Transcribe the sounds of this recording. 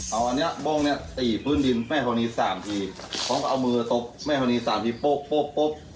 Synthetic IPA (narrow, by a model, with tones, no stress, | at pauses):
ʔa˧˩wʔa˧ni˦˥ɐbɔː˧˨ŋni˦˥˩ɐ˨t̪iː˨˩pʰɯː˥˩˨ndi˧nmɛː˥˩kʰa˧niː˧saː˩˦mt̪ʰiː˧˩ | kʰɔː˨˦ŋkʰːʔa˧wmɯː˧t̪o˧˥p̚mɛː˥˩kʰa˧niː˧saː˨˩˦mt̪ʰiː˧po˦˥˩pːo˦˥˩pːo˦˥p̚